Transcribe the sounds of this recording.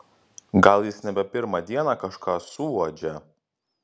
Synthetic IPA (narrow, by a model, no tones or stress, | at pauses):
ɡɐlˠjɪsnʲɛbʲɛpʲɪɾmɑd̪ʲiɛnɑːkɐʃkɑːsuːʋod͡ʒʲɛ